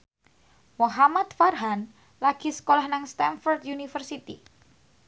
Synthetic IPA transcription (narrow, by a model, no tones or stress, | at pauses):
moɦamat̪farɦan | laɡ̥isə̥kolahnaŋst̪anfɔrt̪junifərsit̪ḭ